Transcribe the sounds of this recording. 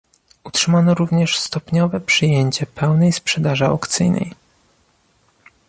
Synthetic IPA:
utʂɘmanɔɾuvɲɛʂst̪ɔpɲɔvɛpʂɘjeɲt͡ɕɛpɛwnɛjspʂɛd̪aʐɛɔ̰kt̪sɘjnɛ̰j

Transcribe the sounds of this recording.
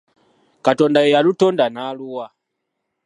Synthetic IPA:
katɔndajɛjalutɔndanaluwa

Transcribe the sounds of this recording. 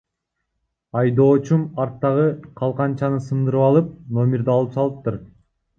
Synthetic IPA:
ɑjd̪o̞ːt͡ʃumɑɾt̪ːɑʁɯqʰɑlˠqɑnt͡ʃɑnɯsɯnd̪ɯɾɯpɑlˠɯp̚no̞mʲɪɾd̪ɑlˠɯpsɑlˠɯp̚t̪uɾ

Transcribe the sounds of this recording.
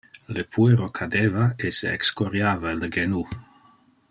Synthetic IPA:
lepʰueɾokʰad̪eːvaesḛɛ̰kskoɾjaːvaeləɡenu

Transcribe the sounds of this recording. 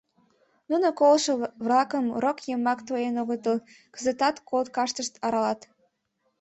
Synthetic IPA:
nunokolʃəβlɑkəmrokjəmːɑkt̪ojenoɣət̪əl | kəzət̪ɑt̪kʰolt̪kɑʃt̪əʃt̪ɑɾɑlɑt̪

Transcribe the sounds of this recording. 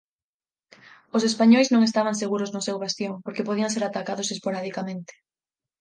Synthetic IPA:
ʊsespaɲojznõŋest̪aβ̞aŋseɣuɾʊznʊsewβast̪joŋpoɾkepoðiaŋseɾat̪akaðʊsespoɾaðikamẽnt̪ɪ̥

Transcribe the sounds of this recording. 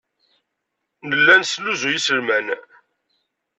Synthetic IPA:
nəlːænsluzujisəlmæn

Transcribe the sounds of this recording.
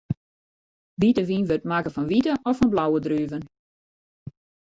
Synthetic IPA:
ʋitəʋinʋøtmakəfɔnʋitəʔɔfɔnblawədryːvən

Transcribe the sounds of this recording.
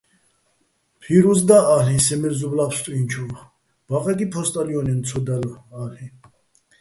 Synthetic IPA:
pʰiɾuzd̪aalĩsɛmɛɾzublapst̪ʼuint͡ʃʰu | b̥aqʼɛk̪ʼipʰɔst̪ʼaliɔnɛnt͡sʰɔd̪alalĩ

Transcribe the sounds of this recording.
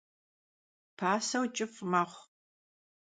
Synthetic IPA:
pʰaːsɐwt͡ʃʼɪfmɐχʷ

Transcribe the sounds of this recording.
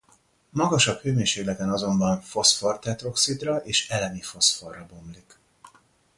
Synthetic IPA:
mɒɡɒʃɒkhøːmeːnʃeːɡlɛk̪ɛnɒzo̞mbɒɱfo̞sfort̪ɛt̪ro̞ksit̪rɒʔeːʃɛlɛnifo̞sfo̞rːɒbo̞mlik

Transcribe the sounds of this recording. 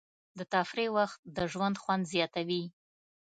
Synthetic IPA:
d̪ət̪afɾewaxt̪̚d̪əʒwand̪xwand̪zjɑt̪awi

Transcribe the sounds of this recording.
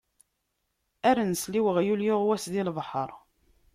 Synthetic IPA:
æɾənsliwəʁjuljoʁwæsðilvˤħəɾˤ

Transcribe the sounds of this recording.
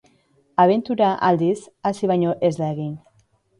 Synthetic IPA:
aβ̞e̞nt̪uɾaʔald̪isasiβajɲo̞ʔezd̪aeɣin

